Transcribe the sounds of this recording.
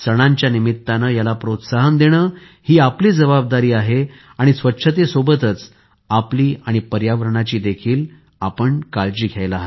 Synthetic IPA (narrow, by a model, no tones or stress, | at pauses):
səɽ̃ãɲt͡ɕjanimit̪ːanajalapɾot̪saɦənd̪eɽ̃əː | hiːapliːd͡zəbab̚d̪aɾiːaɦe | aɽ̃isʋətːɕʰət̪esobət̪ət͡s | apliːaɽ̃ipəɾjaʋəɾɳat͡ɕiːd̪ekʰiːl | apəɳkald͡ʑiːɡʱjajla